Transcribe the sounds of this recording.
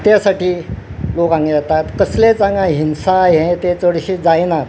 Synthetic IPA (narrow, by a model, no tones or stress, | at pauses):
t̪jasaʈiːlokãŋɡed͡zat̪at̪kəslet͡saŋɡãɦinsajɦẽt̪et͡səɽɕiːd͡zajna